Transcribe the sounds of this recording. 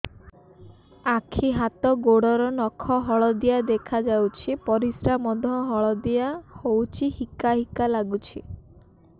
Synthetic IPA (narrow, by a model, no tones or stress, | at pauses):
akʰiɦat̪ɔɡoɽɔɾɔnɔkʰɔɦɔɭɔd̪ijad̪ekʰad͡ʒawt͡ʃʰipɔɾisɾamɔd̪ʱɔɦɔɭɔd̪ijahowt͡ʃʰihikaɦikalaɡut͡ʃʰḭ